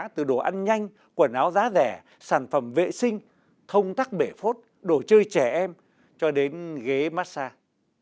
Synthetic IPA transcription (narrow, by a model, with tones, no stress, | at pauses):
t̪ɨ˨˩ɗo˧˩ʔa˧jnɲa˧jŋ̟ | kwə˨˧˩nʔaː˨˦wzaː˨˦zɛ˧˩ | saː˧˩nfə˧˩mvḛ˧˨sï˧ŋ̟ | t̪ʰə˧wŋ͡mt̪aː˦˥k̚ɓe˧˩fo˦˥t̚ | ɗo˧˩t͡ɕəː˧jt͡ɕɛ˧˩ʔɛ˧m | t͡ɕɔ˧ɗe˨˦nɣe˨˦maː˦˥t̚saː˧